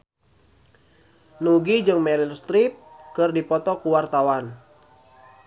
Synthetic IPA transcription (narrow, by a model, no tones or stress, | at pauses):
nuɡid͡ʒɨŋmɛɾilst̪ɾip̚kɨrdipɔt̪ɔkuwart̪awan